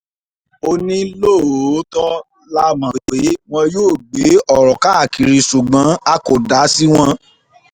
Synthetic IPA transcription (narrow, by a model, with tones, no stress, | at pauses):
o˧nĩ˦lo˦˨˦tɔ˦ | la˦mã˨e˨˦w̃ɔ̃˧joː˦˨ɡ͡be˨˦ɔ˦˨ɾɔ˨ka˨˦a˨ki˨ɾi˧su˨ɡ͡bã˨˦a˧ko˨da˨˦si˦w̃ɔ̃˧